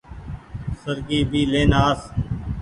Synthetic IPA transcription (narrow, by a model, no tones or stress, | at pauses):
səɾɡiːbʱiːleːnaːs